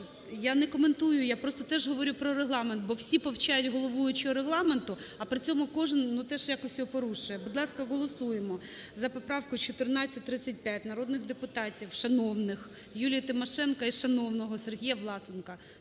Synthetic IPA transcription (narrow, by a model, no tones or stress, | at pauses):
janɛkɔment̪ujʊjapɾɔst̪ɔt̪ɛʒɦɔʋɔɾʲupɾɔɾeɦlˠɑment̪̚bɔwsʲipɔwt͡ʃɑjʊtʲɦɔlˠɔʋujʊt͡ʃiɔɾeɦlˠɑment̪ʊɐpɾɪt͡sʲɔmʊkɔʒɪnnut̪ɛʒjakɔsʲpɔɾuʃʊjɛbud̪lˠɑskɐɦɔlˠɔsujemɔzɐpɔpɾɑwkʊjt͡ʃɔt̪ɪrnɑt͡st͡sʲːɐt̚ʲt̪ɾɪt͡sʲːɐt̚ʲpʲjatʲnɐɾɔd̪nɪɣd̪epʊt̪ɑtʲiwʃɐnɔwnɪx | julʲijɐt̪ɪmɔʃɛnkɐiʃɐnɔwnɔɦɔserɦʲijɐʋlˠɑsenkɐ